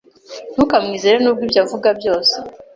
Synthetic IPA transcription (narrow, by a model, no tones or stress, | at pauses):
n̥hukamŋiːzeɾenubɡwibjaːvuɡabjo̞ːse